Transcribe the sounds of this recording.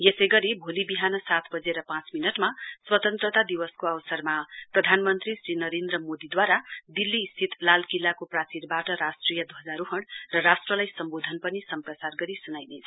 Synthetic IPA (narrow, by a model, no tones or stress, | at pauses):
jesejɡʌɾibʱolibiɦanʌsat̪ʰbʌd͡zeɾʌpãt͡sminʌʈmaswʌt̪ʌnt̪rʌt̪ad̪iwʌskoʌwsʌrmaprʌd̪ʱanmʌnt̪risrinʌɾend̪rʌmod̪id̪waɾad̪ilːisit̪lalkilːakoprat͡siɾbaʈʌɾasʈrijʌd̪uɦʌd͡zaɾuɦʌɽrʌrasʈrʌlajsʌmbod̪ʱʌnpʌnisʌmprʌsarɡʌɾisunajnet͡sʰ